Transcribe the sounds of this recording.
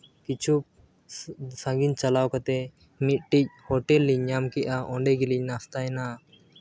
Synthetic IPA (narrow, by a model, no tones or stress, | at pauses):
kit͡ʃʰu | sãŋɡint͡ʃalawkat̪ɛ | mit̪̚ʈic̚hɔʈɛlːiɲamkɛʔaʔɔɳɖɛɡilic̚nast̪aɛna